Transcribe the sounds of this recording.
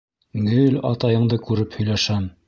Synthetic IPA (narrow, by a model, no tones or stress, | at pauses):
nɘlɑ̰t̪ɑjɤ̆ɴd̪ɤkʉɾɘphɵ̆jlæʃæm